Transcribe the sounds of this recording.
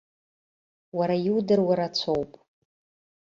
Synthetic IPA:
waɾajiwdɨrwaɾat͡sʷʰowpʼ

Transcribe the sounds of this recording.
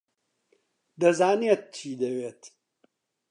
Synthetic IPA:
d̪ɐzaːniet̪̚t͡ʃʰiːd̪ɐweːt̪

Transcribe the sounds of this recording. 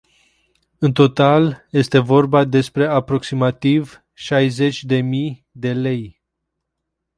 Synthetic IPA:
ɨnt̪o̞t̪alje̞st̪e̞vo̞rbad̪e̞spɾe̞apɾo̞ksimat̪iv | ʃajze̞t͡ʃʲd̪e̞mi | d̪e̞le̞j

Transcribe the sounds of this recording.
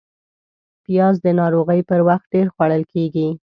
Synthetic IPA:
pijɑzd̪ənɑɾoɣəjpəɾwaxt̪̚ɖeɾxwaɽəlkeɡi

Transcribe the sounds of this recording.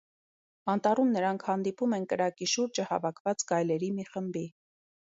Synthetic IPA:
ɑnt̪ɑrumnəɾɑŋkʰhɑn̪d̪ipumɛnkəɾɑkiʃuɾd͡ʒəhɑ̰vɑkʰvɑt͡sɡɑjlɛɾimiχəmbi

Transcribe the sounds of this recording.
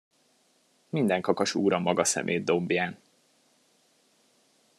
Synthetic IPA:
mind̪ɛŋkɒkɒʃuːɾɒmɒɡɒsɛ̰mʔḛːd̪ːo̞mbjaːn

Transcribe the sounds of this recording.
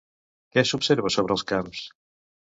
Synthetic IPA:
kɛsupseɾβəsoβ̞ɾəlˠskams

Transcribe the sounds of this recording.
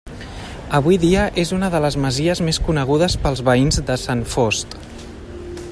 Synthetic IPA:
əβujðiəʔezunəðələzməziəzmeskunəɣ̞uðəspəlˠzβəinzðəsanfost̪

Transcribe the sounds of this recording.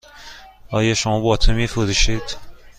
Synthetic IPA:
ɒːjɒʃomɒːbɒːt̪ʰemifoɾuʃid̪̥

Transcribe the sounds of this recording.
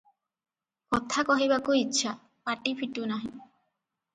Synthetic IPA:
kɔt̪ʰakɔɦiβakuitːʃʰa | paʈipʰiʈunaɦĩ

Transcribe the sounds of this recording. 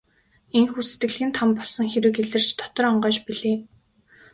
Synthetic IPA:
eŋxuːset̪ɡɘ̆ɮxĭːnt̪ʰampɔɮsɞ̆ŋxeɾɘ̆ːkeɮɘ̆r̥t͡ɕt̪ʰɔ̥t̪ɞ̆rɔɴɢœːt͡ɕpiɮeː

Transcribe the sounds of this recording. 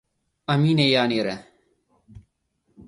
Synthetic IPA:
ɐmiːnejaːniɾe

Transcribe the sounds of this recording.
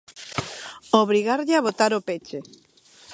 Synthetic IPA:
oβɾiɣaɾʎɪaβot̪aɾopet͡ʃe

